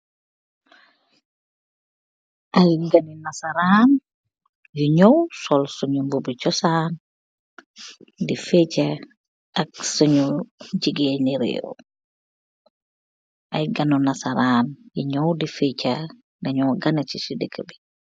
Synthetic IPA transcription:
ʔɐjɡɐninɐsɐɾaːn | juɲɔwsɔlsuɲumbubit͡ʃɔsaːn | difɛcɐ | ɐk̚suɲuɟiɡeːniɾḛːɾṵ | ʔɐjɡɐnunɐsɐɾaːnjiɲɔwdifɛca | ɡɐɲɔwɡɐnit͡ʃisidəkʰːəbi

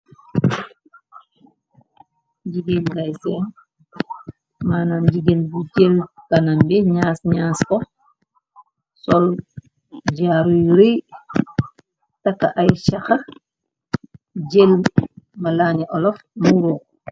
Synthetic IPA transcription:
ɟiɡeldajsɛn | maːnand͡ʒiɡelbuɟelkanambɛɲaːsɲaːskɔ | sɔl | ɟaɾujɾi | takːa̰ʔajʃaxa | ɟelmalaːniʔɔlɔfmuɾuː

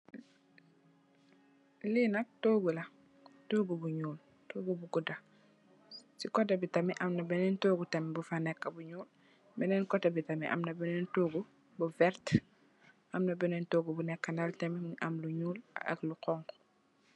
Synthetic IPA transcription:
linɐk̚toːɡulɐ | toːɡubuɲuːl | toːɡubuɡuda | sikɔtabitɐmiʔɐmnabɛnɛntoːɡutɐmibufanɛkːabuɲuːl | mɛnɛnkɔtabitamḭʔa̰mnɐbɛnɛntoːɡu | buvɛɾt | ʔamnɐbɛnɛːntoːɡubunɛkːanaltɐmimʔɐ̰mluɲuːla̰ɐ̰kluqɔŋk

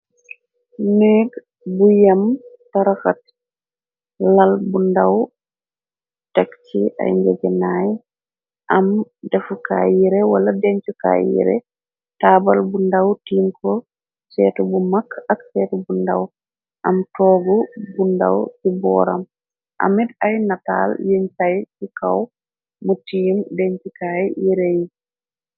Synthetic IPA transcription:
nɛɡ | bujamtaɾaxat | lalbundaw | takt͡ʃiʔa̰jɲd͡ʒɛd͡ʒɛnaj | ʔamdɛfuka̰jiɾɛwaladɛɲt͡ʃuka̰ːjḭɾɛ̰ | tabalbundawtinkʰɔ | sɛtubumakːaksɛtubunda̰w | ʔamtɔːɡɔbunda̰wsibɔɾa̰m | ʔa̰mɛdajnata̰ljiɲsajsikaw | mutiimdeɲt͡ʃikajijiɾɛji

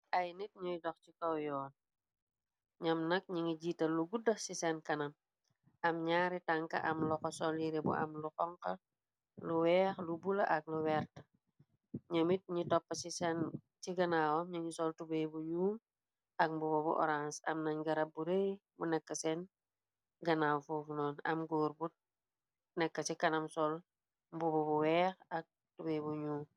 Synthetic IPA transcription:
ʔɐjnit̚ɲujdɔxcikɐwjɔːn | ɲɐmnɐk̚ɲiŋiɟiːtɐluɡudɐsisɛnkɐnɐm | ʔɐmɲaːɾitaŋkɐ̰ʔɐmlɔkɔsɔliɾebṵʔɐ̰mluxɔŋkɐ | luwɛːxlubulɐ̰ʔɐk̚luwɛːrtɐ | ɲəmit̚ɲitɔpːɐsisɛn | t͡ʃiɡɐnawomɲaɲisoltubebuɲuːm | ak̚mbubobṵʔo̰ɾãnsɐ̰mnaɲɡɐɾabːuɾe | bunekːɐsen | ɡɐnawfufnɔːnɐ̰mɡoːɾbut̚ | nɛkːɐsikanamsol | mbubobuweːxak̚ | tubebuɲuːm

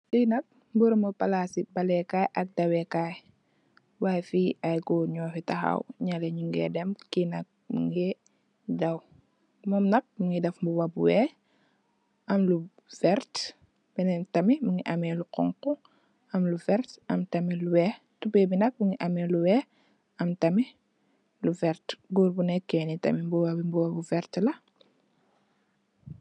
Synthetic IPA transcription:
tinɐk̚ | mbuɾumɐpalasibɐlɛkajʔɐk̚dɐwɛkaj | wajfiajɡɔɲɔːfitaxa̰wɲaleɲuŋɡɛ̰dɛmkinɐk̚mṵŋɡɛ | dɐw | mɔmnɐk̚məŋɡidɛfmbuwɐbuwɛ | ʔɐmlu | vɛɾt | binɛtɐmimuŋɡiʔɐmɛluqɔ̰ŋku | ɐmluvɛɾtɐmtɐmiluwɛ | tubɛbinɐk̚muŋɡiʔɐmɛluwɛ | ɐmtɐmi | luvɛɾtɡuɾbunɛkːɛnitɐ̰mibuwabimbuwɐbuvɛɾtlɐ

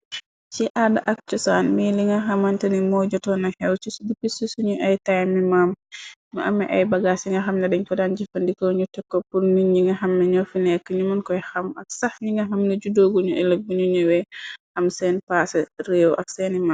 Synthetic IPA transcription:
t͡ʃiʔadaʔɐk̚t͡ʃɔsanmiliŋɡɐɦamantɐnimɔːd͡ʒɔtɔnɐhɛwt͡ʃisdipisisuɲuʔajtajmːimammɐʔɐmːɛʔa̰jbɐɡasiŋɡɐxamnɐdɛɲkɔdand͡ʒifɐndikɔɲutɛkːɔpuɾniɲiŋɡɐɦamːɛɲɔfinɛkːəɲumɐnkɔjxamɐk̚sahɲiŋɡɐɦamniɟudoːɡuɲuɛlək̚buɲuɲuwɛhamsɛnpasɛrewʔa̰k̚sɛnimam

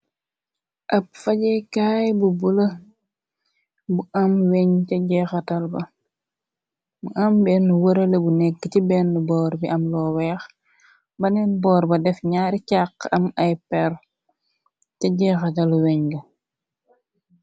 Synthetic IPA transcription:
ʔɐp̚fɐɟɛkaːjbubulɐ | buʔɐmwɛɲtɛɟɛxɐtɐlbɐ | buʔɐmbɛnuwəɾɐlɐbunɛkːətibɛːnːubɔːɾbiʔɐmlɔːwɛːx | bɐnɛnbɔːɾbɐdɛfɲaːɾicaqːɐmɐjpɛr | tɛɟɛxɐtɐlwɛɲɡɐ

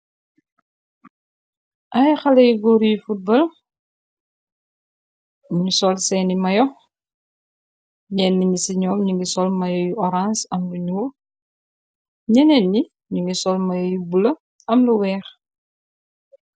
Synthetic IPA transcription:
ʔɐjxɐlɛjiɡɔɾijufut̚bɐl | ɲusɔlsɛːnimɐjɔ | ɲɛnːiɲisiɲɔːmɲuŋɡisɔlmɐjɔjuʔɔɾãnsɐmluɲuw | ɲɛnɛnːi | ɲuŋɡisɔlmɐjɔjubulɐ | ɐmluwɛːx

